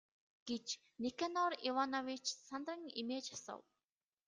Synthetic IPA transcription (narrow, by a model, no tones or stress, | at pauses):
ɡ̥et͡ɕ | nikanɔɾiwanɔwit͡ʃsant̪rə̆ŋimeːt͡ɕjasə̰w